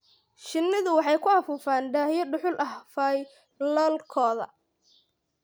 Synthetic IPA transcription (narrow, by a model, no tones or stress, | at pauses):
ʃɪnːɪðʊwɑħɑjkʰʊɐfuːfaːnɖaːhjɐɖʊħʊlʔɐhfaj | lɔlkʰɔːðɐ̰